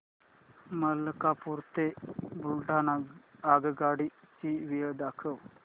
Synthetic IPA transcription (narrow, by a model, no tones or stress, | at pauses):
mələkapuɾt̪ebulɖaːnaaːɡəɡaːɽi | t͡ʃiʋijəd̪aːkʰəw